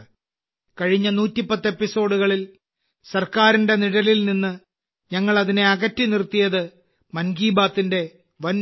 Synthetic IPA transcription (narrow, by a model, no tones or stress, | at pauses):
kɐɻiɲːɐnuːtːipːɐt̪ːe̞pːiso̞ːɽuɣɐɭil | sɐrkaːɾinde̞niɽɐlilninːɨ | ɲɐŋːɐɭɐðine̞ɐɣɐtːinirt̪ːijɐðɨ | mɐnɡiːbaːt̪ːinde̞ | ʋɐn